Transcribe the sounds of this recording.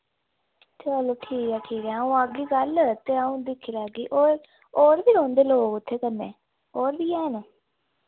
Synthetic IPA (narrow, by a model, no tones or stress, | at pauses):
t̪ʰːeːaːloːʈʰiːkɛːʈʰiːkɛːəũːəɡiːɡəlt̪eːəũːd̪ɪkʰiːlaːɡiːʔoːɾ | oːɾbiːɾõːnd̪eːloːɡʊt̪ʰːeːkənːeː | oːɾbiːɛːnː